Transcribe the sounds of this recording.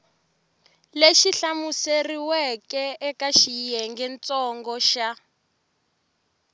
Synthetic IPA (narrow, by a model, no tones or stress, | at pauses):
leʃiɬamuseriwɛkɛɛkaʃijɛŋɡɛnt͡sʼɔŋɡɔʃa